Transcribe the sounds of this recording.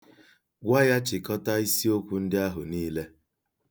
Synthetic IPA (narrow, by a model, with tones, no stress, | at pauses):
ɡʷa˦ja˦t͡ʃɪ˨kɔ˦ta˦i˦si˦o˦kʷu˦n̩˦dɪ˦a˦ɦʊ˨niː˦le˦